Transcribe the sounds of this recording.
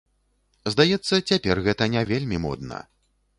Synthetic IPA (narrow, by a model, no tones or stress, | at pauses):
zd̪ajɛt̪sːɐt͡sʲapʲɛrɣɛt̪ɐnʲavʲelʲmʲimɔ̰d̪nɐ̰